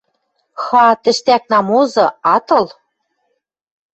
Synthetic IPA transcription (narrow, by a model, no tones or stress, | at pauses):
xɑt̪ɘ̆ʃt̪æk̚nɑmozɤ̆ɑt̪ɤ̆l